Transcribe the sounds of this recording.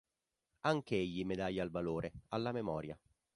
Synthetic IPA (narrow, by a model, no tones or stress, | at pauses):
aŋk̟eeʎːimed̪aʎːalvaloːɾʔealːamemɔːɾja